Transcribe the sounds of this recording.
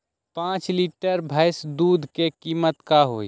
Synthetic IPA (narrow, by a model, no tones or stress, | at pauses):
pãːt͡ʃliːʈəɾbʱaːɪsd̪uːd̪ʱkekiːmət̪kaɦoːi